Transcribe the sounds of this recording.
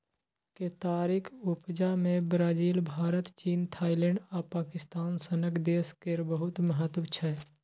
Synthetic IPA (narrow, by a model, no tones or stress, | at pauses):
ket̪aːɾikʰʊpd͡ʒamẽbɾaːd͡ʒiːlbʱaːɾət̪t͡ʃiːnt̪ʰaːɪlɛ̃ɳɖaːpaːkɪst̪aːnsənəkd̪eːskeɾbəɦʊt̪məɦət̪ʋt͡ʃʰɛ